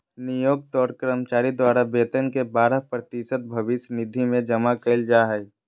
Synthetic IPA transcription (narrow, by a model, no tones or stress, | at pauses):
nijoːɡ̚t̪ɔːɾkɾəmt͡ʃaːɾid̪waːɾabeːt̪ənkebaːɾəɦpɾət̪iʃət̪̚bʱɐʋɪʃnɪd̪ʱimẽd͡ʒəmakəld͡ʒaːɦɛj